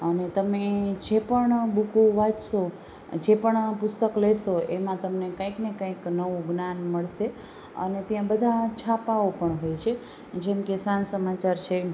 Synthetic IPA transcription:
ənet̪əmed͡ʒepəɳbukuʋad͡ʒso | d͡ʒepəɳpʊst̪əklesoemãt̪əmnekãjknekãĩknəʋũɡnanməɭʃe | ə̰net̪jãbəd̪ʱat͡ʃʰapaopəɳɦojt͡ʃʰe | d͡ʒemkesansəmat͡ʃaɾt͡ʃʰe

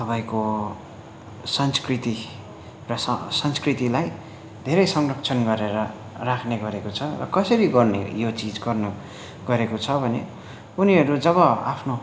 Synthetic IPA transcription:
t̪ʌpaĩko | sʌnskrit̪i | rʌsʌsʌnskrit̪ilaj | d̪ʱeɾʌjsʌŋrʌk̚t͡sʰʌnɡʌɾeɾʌ | rakʰneɡʌɾekot͡sʰʌrʌ̰kʌsʌɾiɡʌrnḛjot͡sid͡zɡʌrnʌ | ɡʌɾekot͡sʰʌbʱʌnḛ | uniɦʌɾud͡zʌβʌa̰pʰno

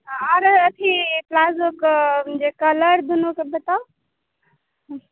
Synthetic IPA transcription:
ɔɾət̪ʰiplazokd͡ʒekələɾd̪unokebet̪a

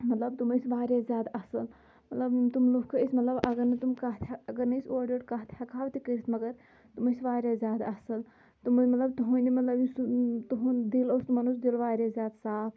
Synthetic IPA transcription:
mɐt̪lɐbt̪umɐsʋaːɾjazʲjaːd̪ɐsɐl | mɐt̪lɐbt̪umlukʰɐisʲmɐt̪lɐbɐɡɐɾnɐt̪umkaɦt̪ʰaɐɡɐɾnɐsoːɾɖəɖkat̪ʰjakaːʋt̪ikəɾit̪ʰmɐɡɐɾ | t̪umɐsʋaːɾjazjaːd̪ɐsɐl | t̪ummɐt̪lɐbt̪uɦunimɐt̪lɐbjisut̪uɦud̪iloːst̪umɐnosd̪ilʋaːɾʲjaːzjaːd̪saːpʰ

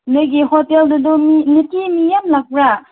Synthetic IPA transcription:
nɯjɡihoteldudɔminitimijamlak̚bɾa

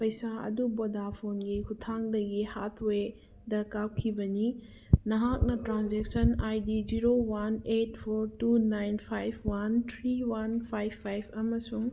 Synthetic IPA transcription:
pɐjsaɐ̰dubodapʰonɡikʰutʰaŋdɐɡihatʰwe | dɐkawkʰibɐni | nɐɦak̚nɐtɾanzeksɐnajdid͡ʒiɾowanet̚pʰoɾtunajnpʰajb̚ʰwant̪ʰɾiwanpʰajpʰːajbʰɐmɐsuŋ

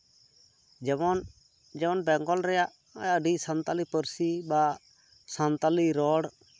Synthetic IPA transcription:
d͡ʒɔn | d͡ʒɛwɔnbɛŋɡɔlɾɛjaʔ | əɖisant̪alipəɾsiba | sant̪aliɾɔɽ

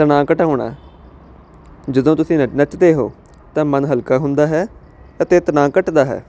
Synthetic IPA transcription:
t̪ənãːkəʈaoːɳa̰ː | d͡ʒəd̪õːt̪ʊsĩːnət͡ʃd̪eːɦo̰ː | t̪ãːmənɦəlkaːɦʊnd̪aːɦɛː | ət̪eːt̪ənãːkəʈd̪aːɦɛ̰ː

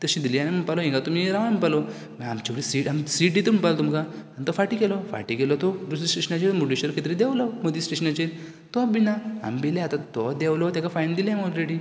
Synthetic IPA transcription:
t̪əɕĩd̪ilianeməɡpalɔɦĩŋɡat̪umiɾaʋampalɔ | miamt͡ɕaʋɾisiʈɦamsiʈ̚d̪it̪uməɳpalɔt̪umkaant̪ɔfaʈikɛlɔfa̰ʈikɛlɔt̪ɔɾusisʈeɕənat͡ɕeɾmuʈiɕəɾkʰet̪ɾid̪ɛwlɔmod̪isʈeɕənat͡ɕeɾ | t̪ɔabinaa̰mbileat̪at̪ɔd̪ɛwlɔt̪akafajnd̪ilɛmɔlɾeɽi

